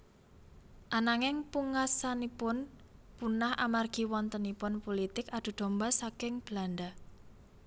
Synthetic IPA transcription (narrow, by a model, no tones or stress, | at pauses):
ʔanaŋɪŋpuŋasanipʊn | punahʔa̰marɡ̥i̤wɔnt̪ənipʊnpolit̪ɪkad̪̥ṳɖ̪̥o̤mbasakɪŋb̥land̪a